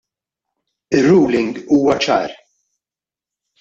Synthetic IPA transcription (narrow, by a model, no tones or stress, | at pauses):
ɪrːuːlɪŋɡuːwɐt͡ʃɐ̰ːɾ